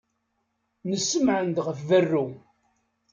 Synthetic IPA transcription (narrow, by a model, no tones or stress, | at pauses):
nəsːəmʕənd̪ʁəfvərːu